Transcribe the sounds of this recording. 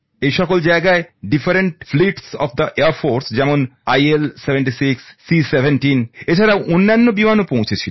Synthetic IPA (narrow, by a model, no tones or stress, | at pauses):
ejʃɔkold͡ʑaeɡaeɖifaɾeɳʈfliʈsɔ̰fd̪ɐʔeɐɾfoɾsd͡ʑɛmonajelsebʱeɳʈisiksːisebʱenʈinet͡ɕʰaɾaʔonːanːobimanopõw̃t͡ɕʰet͡ɕʰil